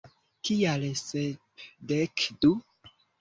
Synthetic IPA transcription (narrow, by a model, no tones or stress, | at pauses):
kialse | dekdu